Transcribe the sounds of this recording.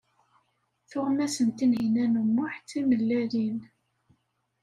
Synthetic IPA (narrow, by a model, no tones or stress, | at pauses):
θʊʁmæsənt̪inɦinænumːʊħt͡sːiməlːælin